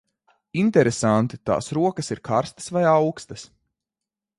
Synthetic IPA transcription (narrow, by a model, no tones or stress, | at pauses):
int̪ɛɾesant̪it̪a̰ːsɾuɔkɐsiɾkʰaɾst̪ə̥svajawkst̪ɐs